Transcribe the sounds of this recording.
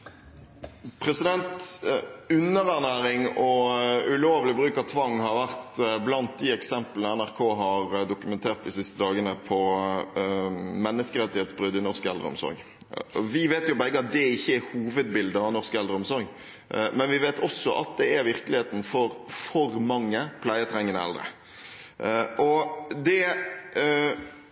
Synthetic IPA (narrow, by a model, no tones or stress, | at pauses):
pʰɾɛsɪd̪ɛnt̪ | ʉnːəʁæʁnæːɾɪŋɔʉloːʋlɪbɾʉːkɑʋt̪ʰʋɑŋːhɑɾʋæʁt̪blɑnt̪̚d̪ɪɛksɛmpələnəænæʁkʰoːɦɑɾd̪ʊkʉmɛnt̪ʰeːʁt̪̚d̪ɪsɪst̪əd̪ɑːɡənəpʰɔ | mɛnːəskəɾɛt̪ːɪheːt̪sbɾʏd̪ːɪnɔʁskɛld̪ɾəɔ̰msɔ̰ɾɡ | ɔʋɪʋeːt̪jʊbɛɡːəɑt̪̚d̪ɛɪçːəɛɾhuːʋəd̪bɪld̪əɑnɔʁskɛld̪ɾəɔmsɔɾɡ | mɛnʋɪʋeːt̪ʰɔsːɔʔɑ̰t̪̚d̪ɛæɾʋɪɾkəlɪeːt̪n̩fɔɾfɔɾmɑŋːəpʰlæɪət̪ʰɾɛŋːənɛ̰ld̪ɾə̰ | ʔɔd̪ɛ